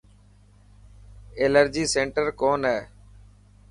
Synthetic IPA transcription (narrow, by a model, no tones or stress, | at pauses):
eːləɾd͡ʒiːsẽːɳʈəɾkoːnɦɛː